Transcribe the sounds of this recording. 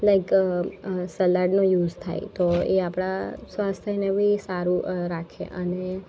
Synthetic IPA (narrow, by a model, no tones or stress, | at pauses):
laɪk | səlaɾɖnõjuːzt̪ʰa̰jt̪oeapɽ̃asʋast̪ʰjənebʱisaɾuɾakʰḛʔəne